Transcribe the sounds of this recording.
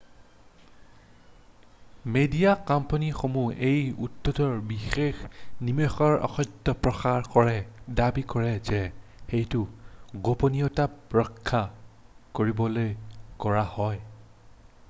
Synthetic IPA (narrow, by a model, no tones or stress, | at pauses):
medijakɔmpanixomuejṵtːotɔɹbixexnimexɔɹɔ̰xɔjtːɔpɹɔxaɹkɔɹɛdabikɔɹɛzɛxejtʊɡoponijɔtaɹɔkʰːakoɹibɔlojkɔɹahɔj